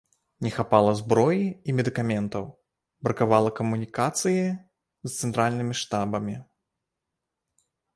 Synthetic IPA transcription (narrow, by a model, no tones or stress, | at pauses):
nʲɛxapalˠɐzbɾɔjiimʲɛd̪ɨkamʲɛnt̪ɐw | bɾɐkavalˠɐkɐmunʲikat̪sɨji | st̪sɛnt̪ɾalʲnɨmʲiʂt̪abɐmʲi